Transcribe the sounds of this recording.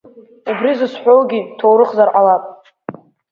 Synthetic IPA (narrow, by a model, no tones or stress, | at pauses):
ubrizɨsħʷᶣowɡʲitʰowɾɨχzarʔalapʼ